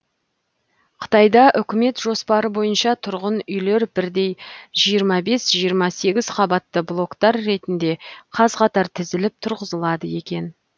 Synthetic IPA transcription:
qʰə̥t̪ɑjd̪ɑʔʏkʲɪme̞t̪ʒo̞spɑɾəbo̞jənʃɑt̪ʰʊɾʁənʏjle̞ɾbɪɾd̪e̞jʒijəɾmɑbe̞sʒijəɾmɑse̞ɡʲɪz̥qʰɑbɑt̪ːəblˠo̞kt̪ɑɾːe̞t̪ɪnd̪e̞qʰɑzqʰɑt̪ɑɾt̪ʰɪzɪlɪp̚t̪ʰʊɾʁəzəlˠɑd̪əje̞kʲe̞n

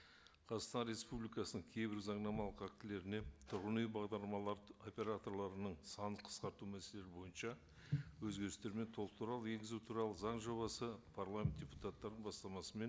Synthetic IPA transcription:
qʰɑzɑt̪q̪st̪ɑnɾʲe̞spublʲijkɑsənəŋkʲʰe̞jbɪɾzɑɴnɑmɑlˠəqæk̚t̪ɪle̞ɾɪne̞t̪ʰʊɾʁənejbɑʁd̪ɑɾlˠmɑlˠɑɾo̞pʲe̞ɾat̪o̞rlˠɑɾənəɴsɑnəqʰə̥sqɑɾt̪umæse̞le̞ɾɪbo̞jənʃɑ | wɵzɡʲe̞ɾɪst̪e̞ɾɪme̞nt̪ʰo̞lˠəqt̪ʰuɾɑlˠəe̞ŋɡʲɪzut̪ʰuɾɑlˠəzɑɴʒo̞βɑsəpʰaɾlˠamʲet̪̚d̥ʲeput̪at̪ːɑɾd̪əɴbɑst̪ɑmɑsəme̞n

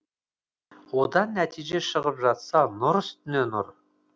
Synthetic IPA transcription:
wod̪ɑnːæt̪ʰijʒe̞ʃəʁəpʒɑt̪sɑnʊɾʏst̪ɪnenʊɾ

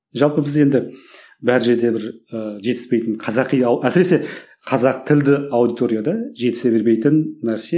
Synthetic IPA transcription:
ʒɑlˠpəbɪze̞nd̪ɪ | bæɾɪʒe̞ɾd̪e̞bɪɾəʒe̞t̪ɪspe̞jt̪ɪnqʰɑzɑqijɑwæsɪɾe̞se̞ | qʰɑzɑq̚t̪ʰɪld̪ɪawd̪ijt̪o̞ɾijad̪ɑʒe̞t̪ɪ̥se̞be̞ɾme̞jt̪ɪnːæɾse

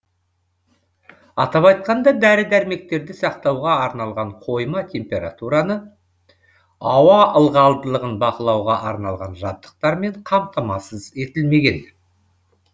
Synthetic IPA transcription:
ɑt̪ɑpɑjt̪̚qɑnd̪ɑd̪æɾɪd̪æɾme̞k̚t̪e̞ɾd̪ɪsɑqt̪ɑwʁɑːɾnɑlˠʁɑɴqʰo̞jmɑt̪ʲʰe̞mpe̞ɾa̰t̪uɾɑnə | ɑwɑʔəlˠʁɑlˠd̪əlˠəʁənbɑqəlˠɑwʁɑʔɑɾnɑlˠʁɑnʒɑt̪ːə̥q̚t̪ɑɾme̞ɴqʰɑmt̪ɑmɑsəze̞t̪ɪlme̞ɡʲe̞n

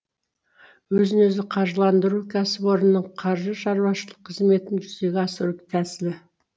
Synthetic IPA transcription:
wɵzɪnɵzɪqʰɑɾʒəlˠɑnd̪əɾukʲʰæsɪpo̞ɾənːəɴqʰɑɾʒəʃɑɾwɑʃəlˠəqʰːəzme̞t̪ɪnʒʏzd̪e̞ɡʲɪɑsəɾɪkt̪ʰæsɪlɪ

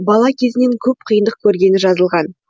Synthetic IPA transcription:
bɑlˠɑkʲʰe̞zɪne̞ŋkʲʰɵp̚qʰəjənd̪əq̚kʲʰɵɾɡʲe̞nɪʒɑzəlˠʁɑn

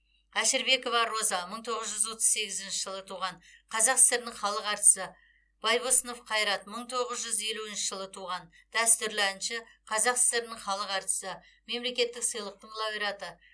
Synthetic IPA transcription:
æʃɪɾbe̞ko̞vɑɾo̞zɑməɴt̪ʰo̞ʁəzʒʏzwo̞t̪ə̥zse̞ɡʲɪzɪnʃɪʒəlˠət̪ʰuʁɑnqʰɑzɑqsɪ̥st̪eɾɪnɪɴχɑlˠəqɑɾt̪ə̥sə | b̥ɑjbosəno̞fqʰɑjɾɑt̪̚məɴt̪ʰo̞ʁəzʒʏze̞luɪnʃɪʒəlˠət̪ʰuʁɑnd̪̥æst̪ʏɾlænʃɪqʰɑzɑqsɪ̥st̪eɾɪnɪŋχɑlˠəqɑɾt̪ə̥səme̞mle̞kʲe̞t̪ːɪksəjlˠəq̚t̪əɴlˠɑbiɾɑt̪ə

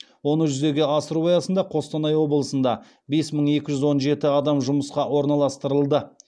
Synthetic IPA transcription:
wo̞nəʒʏze̞ɡʲeɑsəɾuɑjɑsənd̪ɑqʰo̞st̪ɑnɑjwo̞bəlˠəsənd̪ɑ | be̞sməɴe̞kʲɪʒʏzwo̞nʒe̞t̪ɪɑd̪ɑmʒʊməsqɑwo̞ɾnɑlˠɑst̪əɾəlˠd̪ə

